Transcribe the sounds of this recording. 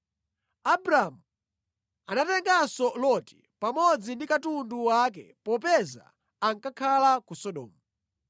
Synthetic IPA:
abɾamu | anatɛŋɡasɔlɔti̥ | pamɔd͡zindikatunduwak̬ɛ̰pɔp̬ɛza̰ː | ŋkakʰalakusɔɗɔ̰ːmu

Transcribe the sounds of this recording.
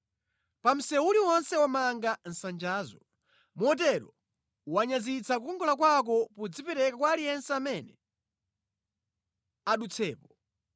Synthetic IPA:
pam̩sɛwuliwɔnsɛwamaŋɡan̩sand͡ʒaːzɔ | mɔt̬ɛɾɔ̰ | waɲazit͡sʰak̬ukɔŋɡɔlak̬wak̬ɔpud͡zipɛɾɛkakwalijɛnsɛamɛnɛ | aɗut͡sʰɛːpɔ

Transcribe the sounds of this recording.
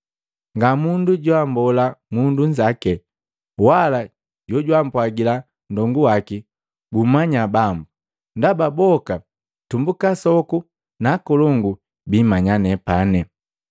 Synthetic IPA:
ŋɡamunduɟwambɔlamunduɲd͡ʒakɛ | wala | ɟɔɟwam̩pwaɡila | n̩dɔŋɡuwaki | bumaɲabambu | ndababɔka | tumbukasɔku | nakɔlɔŋɡu | bimaɲanɛpanɛ

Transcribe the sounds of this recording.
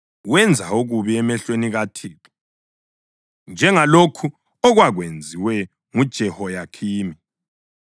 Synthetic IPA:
wɛnd͡zʱaoɣuβiɛmɛɬweniɣatʰiːlɔ | nd͡ʒʱɛŋalokʰu | ɔɣwaɣwend͡zʱiwɛ | ŋud̥ʒ̥ʱɛhɔjakʰiːmi

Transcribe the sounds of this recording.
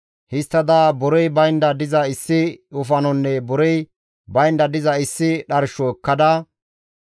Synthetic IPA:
hɪst̪ːɐd̪aːbʊɾɔjbɐjnd̪ɐd̪ɪzɐɪsːɪʊfɐnɔnːɛbʊɾɔj | bɐjnd̪ɐd̪ɪzɐɪsːɪɗɐɾʃɔɛkːɐd̪ɐ

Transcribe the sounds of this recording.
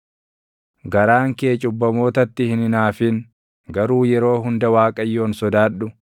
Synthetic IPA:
ɡɐɾaːŋkeːt͡ʃʼʊbːɐmo̞ːt̪ɐt̪ːɪhɪnɪnaːfɪn | ɡɐɾuːjɛɾo̞ːɦʊnd̪ɐwaːkʼɐjːo̞ːnsɔd̪aːᶑʊ

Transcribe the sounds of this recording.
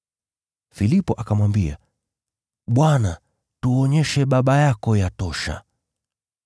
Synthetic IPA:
filipɔʔakamwambia̰ | ɓwana | tuɔɲɛʃɛɓaɓajakɔjatɔʃa̰

